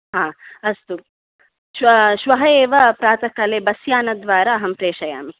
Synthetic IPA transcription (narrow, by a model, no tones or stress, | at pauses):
ɦãːɐst̪u | ʃʋɐʃʋɐɦɐeːʋɐpɾaːt̪ɐkɐleːbɐsjaːnɐd̪ʋaːɾaːɐɦɐmpɾeːʂɐja̰ːmi